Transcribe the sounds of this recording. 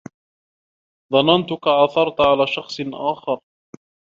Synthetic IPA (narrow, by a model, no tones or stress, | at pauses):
ðˤɑnɑnt̪ʊkaʕaθɑɾˤt̪ʕalaːʃɑxsˤnʔaːxɑɾˤ